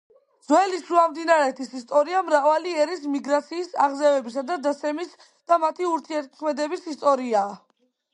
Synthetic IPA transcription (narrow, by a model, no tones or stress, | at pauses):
d̪z̥wɛliʃuamd̪inaɾɛt̪ʰisist̪ʼɔɾiamɾavaliɛɾis̬miɡɾat̪sʰiːsaʁzɛvɛbis̬ad̪ad̪at̪sʰɛmis | d̪̥amat̪ʰiuɾt̪ʰiɛɾt̪̚kʰmɛd̪ɛbisist̪ʼɔɾiaː